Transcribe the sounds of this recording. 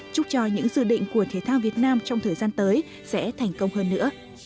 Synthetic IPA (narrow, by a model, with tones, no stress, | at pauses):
t͡ɕʊ˦˥t͡ɕɔ˧ɲɨ̰˧˥ŋzɨ̰˧˨ɗḭ˧˨ŋ̟ku˧˩ət̪ʰi˨˧˩jt̪ʰaː˧wvi˨˩ət̚naː˧mt͡ɕɔ˧wŋ͡mt̪ʰəː˨˩jzaː˧nt̪əː˨˦j | sɛ̰˧˥t̪ʰa˨˩jŋ̟kə˧wŋ͡mhəː˧nːɨ̰˧˥ə